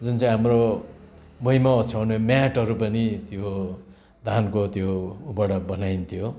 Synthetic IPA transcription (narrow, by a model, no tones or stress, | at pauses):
d͡zunt͡saĩɦamro | mʌimaʌt͡sʰawnemjaʈʌɾupʌnit̪jo | d̪ʱankot̪joubʌɽʌbʌnajnt̪ʰjo